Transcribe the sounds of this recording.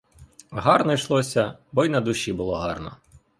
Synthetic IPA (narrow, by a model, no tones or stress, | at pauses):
ɦɑrnɔjʃlˠɔsʲɐbɔjnɐd̪ʊʃʲibʊlˠɔɦɑrnɔ̰